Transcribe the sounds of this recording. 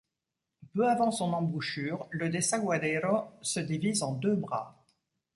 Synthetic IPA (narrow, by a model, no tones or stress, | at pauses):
pøavɑ̃sɔ̃nɑ̃buʃyːʁləd̪esɛ̃ɡwad̪ɛɾosəd̪ivizɑ̃d̪øbʁa̰